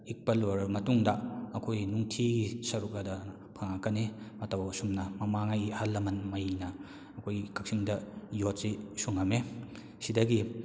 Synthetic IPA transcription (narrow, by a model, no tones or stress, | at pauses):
ik̚pɐloɾmɐtuŋdɐɐkʰojnuŋtʰiɡisɐɾuk̚ɐdɐ | pʰɐŋakɐnemɐtawsumnɐmɐmaŋajhalːɐmɐnmɐjnɐː | kʰojkʰɐk̚siŋdɐjot̚sisuŋɐme | sidɐɡi